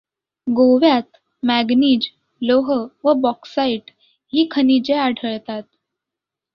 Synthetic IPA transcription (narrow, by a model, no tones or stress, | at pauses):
ɡoʋjat̪ | mæɡniːd͡ʑ | loɦəʋəbɔksaiʈ | ɦiːkʰənid͡ʑeaɖʱəɭt̪at̪̚